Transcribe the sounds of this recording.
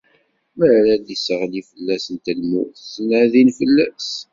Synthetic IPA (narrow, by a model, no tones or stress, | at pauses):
mæɾɾæd̪isəʁlifəlːæsənt̪ælmṵθsənʕðinfəlːæs